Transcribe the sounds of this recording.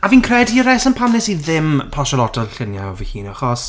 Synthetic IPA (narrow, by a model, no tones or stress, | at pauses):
aviːnkʰrɛdiəɾɛsənpʰamlɛsiðɪmpʰɔʃɔlˠɔtʰɔɬɪnjaɔvihiːnɔχɔs